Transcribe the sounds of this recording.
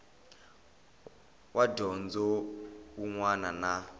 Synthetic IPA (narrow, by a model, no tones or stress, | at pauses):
wʔadɔnd͡zɔuŋwanana